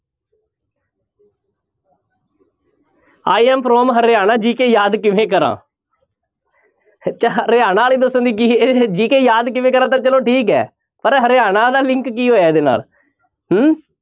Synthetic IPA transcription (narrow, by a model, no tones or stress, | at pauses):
aːiːɛːmpʰɾoːmɦəɾeːaːnãːd͡ʒiːkeːjaːd̪kɪʋẽːk̬əɾã̰ː | t͡ʃɾeːaːnãːliːd̪əsə̃nd̪iːk̬ied͡ʒiːkeːjaːd̪kɪʋẽːkəɾãːt̪ãːt͡ʃəlõːʈʰiːk̬ɛ̰ː | pəɾɦəɾeːaːnãːd̪aːlɪŋkːiːɦoːjaːed̪eːna̰ːl | ɦ